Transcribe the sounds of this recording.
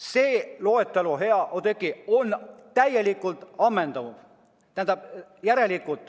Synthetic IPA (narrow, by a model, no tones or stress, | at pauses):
seːloet̪ːeluɦeɑʔot̪ekːˑiont̪æjjelikːˑult̪ɑmːend̪ɑnud̪̥ | t̪æd̪ɑjæɾelikːˑult̪